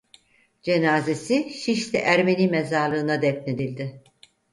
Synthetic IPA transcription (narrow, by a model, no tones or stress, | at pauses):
d͡ʒenaːze̞siʃiʃlʲɛ̰ʔæɾme̞niːmezaɾlˠɯːnad̪ɛt̪̚ned̪ilʲd̪ɪ